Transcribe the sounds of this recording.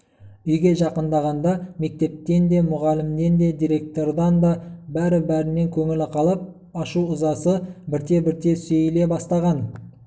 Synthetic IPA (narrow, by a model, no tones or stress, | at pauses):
ʏjɡʲe̞ʒɑqənd̪ɑʁɑnd̪ɑme̞k̚t̪e̞p̚t̪e̞nd̪e̞mʊʁɑlɪmd̪e̞nd̪e̞d̪ijɾʲe̞k̚t̪o̞rd̪ɑnd̪ɑbæɾɪbæɾɪne̞ŋkʲʰɵŋɪlɪqʰɑlˠəp̚ | ɑʃuʊzɑsəbɪɾt̪e̞bɪɾt̪e̞sejɪle̞bɑst̪ɑʁɑn